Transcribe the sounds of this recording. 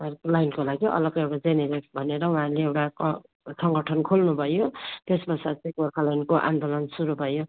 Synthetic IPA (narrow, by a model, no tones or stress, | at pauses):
ɦaɾlajnkolaɡiʔʌ̰lʌɡʌewʈad͡zeneɾekbʱʌneɾʌũɦãɾleewʈa | sʌŋɡʌʈʰʌnkʰolnubʱʌjot̪esbʌsat͡sʌ̃ɡorkʰalajnkoʔa̰nd̪olʌnsuɾubʱʌjo